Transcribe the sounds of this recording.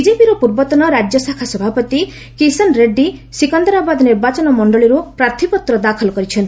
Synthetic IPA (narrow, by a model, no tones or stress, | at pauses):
bid͡ʒepiɾɔpuɾbɔt̪ɔnɔɾad͡ʒjɔsakʰasɔbʱapɔt̪i | kisɔnɾeɖːisikɔnd̪ɔɾabad̪niɾbat͡ʃɔnɔmɔɳɖɔɭiɾupɾaɾt̪ʰipɔt̪ɾɔd̪akʰɔlɔkɔɾit͡ʃʰɔnt̪